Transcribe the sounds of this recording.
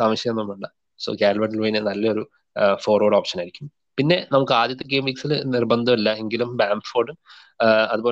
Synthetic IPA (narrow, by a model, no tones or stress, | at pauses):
saːmɐɕjɐenːumːuɳɖɨ | so̰kaːlʋɐʈ̬ːlojnenɐlːɐo̞ɾu | fo̞ːrʋoːɽoːpʂɐnaːjɾikʲːum | pinːe̞nɐmukːɨaːd̪jɐt̪ːɐk̬ːeːmiksilnirbɐnd̪ʱɐmilːɐe̞ŋɡilumbaːmfoːɖum | ɐðuboː